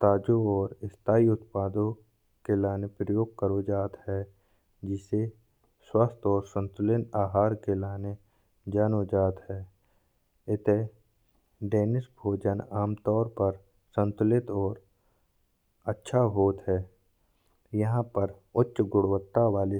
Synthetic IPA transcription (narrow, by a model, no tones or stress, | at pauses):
t̪aːd͡ʒoɔːɾɪst̪ʰaːiʊt̪̚paːd̪õ | kelaːnepɾəjoːɡ̚kəɾod͡ʒaːt̪hɛː | d͡ʒɪse | swast̪ɔːɾsə̃nt̪ʊlɪnaːɦaːɾkelaːne | d͡ʒaːnod͡ʒaːt̪ɦɛː | ɪt̪e | ɖeːnɪsbʱoːd͡ʒənaːmt̪ɔːɾpəɾ | sə̃nt̪ʊlɪt̪ɔːɾ | ətːʃʰaɦoːt̪ɦɛː | jəɦãpəɾ | ʊtːʃɡʊɽwət̪ːaʋaːle